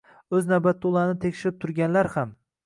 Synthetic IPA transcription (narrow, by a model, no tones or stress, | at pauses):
ɵznawbat̪ːolˠanɪt̪ʰekʲʃɪɾɪp̚t̪ʰʊɾɡʲanlaɾham